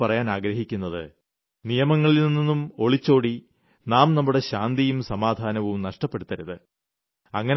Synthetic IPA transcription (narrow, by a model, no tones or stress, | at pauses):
ɐrɐjaːnaːɡɾɐɦikʲːunːɐðɨ̰ | nijɐmɐŋːɐɭilninːinːumo̞ɭit͡ɕːo̞ːɽi | naːmnɐmːuɽe̞ɕaːnd̪ijumsɐmaːd̪ʱaːnɐʋumnɐʂʈɐpːe̞ɽut̪ːɐɾuðɨ | ɐŋːɐn